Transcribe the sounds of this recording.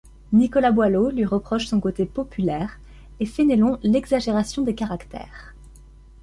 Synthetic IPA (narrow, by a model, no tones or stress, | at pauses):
nikɔlabwalolɥiʁəpχɔʃsɔ̃kot̪epɔpʰylɛːʁ | efenelɔ̃lɛɡzaʒeʁasjɔ̃d̪ekaʁakt̪ɛ̰ːʁ